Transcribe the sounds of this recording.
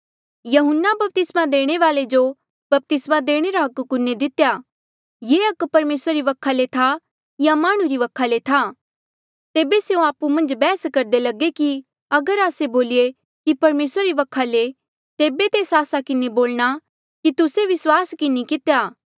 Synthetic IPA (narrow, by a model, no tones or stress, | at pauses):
jɐɦʊnːabɐp̚t̪ɪsmad̪eːɽ̃eʋaːled͡ʒo | bɐp̚t̪ɪsmad̪eːɽ̃eɾaɦɐkːʊnːed̪ɪt̪ja | jeːɐkpɐɾmeːsɾaɾiʋɐkʰːalet̪ʰa | jamaːɽ̃ũɾiʋɐkʰalet̪ʰa | t̪eːbeseõaːpumɐ̃nd͡ʒbɛːskɐɾd̪elɐɡeki | ɐɡəɾaːseboːlie | kipɐɾmeːsɾaɾiʋɐkʰːale | t̪eːbet̪eːsaːsakɪneboːlɽ̃a | kit̪ʊseʋɪswaːskɪnikɪt̪ejaː